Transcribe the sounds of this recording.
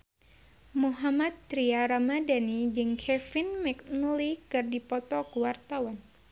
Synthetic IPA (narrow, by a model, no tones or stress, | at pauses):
muɦamat̪̚ːɾiaɾamadanid͡ʒɨŋkʰɛfinmɛk̚nlikɨrdipɔt̪ɔkuwart̪awan